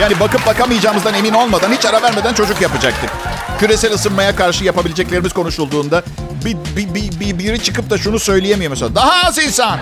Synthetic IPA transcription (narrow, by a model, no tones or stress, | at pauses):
jaːnibakɯp̚bakamɯjɯd͡ʒaːmɯzd̪ane̞mino̞lˠmad̪anhit͡ʃaɾavæɾme̞d̪ænt͡ʃʰo̞d͡ʒukjapɯd͡ʒak̚t̪ɯ | cʰyɾe̞sælʲɯsɯnmajakaɾʃɯjapabilʲed͡ʒɛclʲeɾimiz̥kʰo̞nuʃulˠd̪uːnd̪a | bibibibibiɾit͡ʃʰɯkɯp̚t̪aʃunusø̞jlʲijemijomsead̪aɦaːzinsan